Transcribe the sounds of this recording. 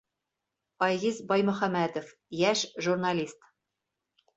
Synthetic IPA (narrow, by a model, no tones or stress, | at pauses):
ɒjʁizbɒjmɵ̆χæmæd̪ŏf | jæʃʒurnalʲist̪